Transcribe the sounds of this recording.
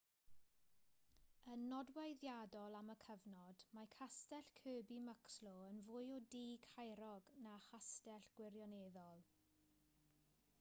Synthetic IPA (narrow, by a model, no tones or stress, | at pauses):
ənːɔdwajðjadɔlˠaməkʰəvnɔd̥makʰastɛɬkʰøːbiməkslɔənvʊjɔdiːɡhajɾɔɡnaχastɛɬɡ̥wɪrjɔneːðɔlˠ